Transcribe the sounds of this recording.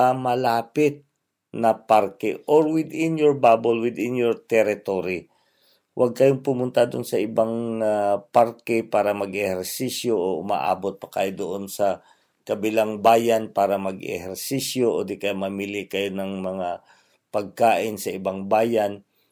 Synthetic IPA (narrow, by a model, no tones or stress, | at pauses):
ɐmɐlaːpɪt̪̚ | nɐpaɾkɛʔoɹwɪd̪ɪnjoɹbabolwɪd̪ɪnjoɹt̪ɛɾɪt̪oɾi | wʔaɡ̚kɐjoŋpʊmʊnt̪ad̪onsɐʔɪbaŋ | paɾkɛpaːɾɐmɐɡɛhɛɾsisjoʔoʊma̰ʔa̰ːbot̪̚pɐ̥ka̰ːjod̪oʔonsɐ | kɐbɪlaŋbaːjanpaːɾɐmɐɡɛ̰hɛɾsisjoʔod̪ɪkɐjomɐmilɪkɐjonɐŋmɐŋa | pɐɡ̚kaːʔɪnsɐʔɪbaŋbaːjan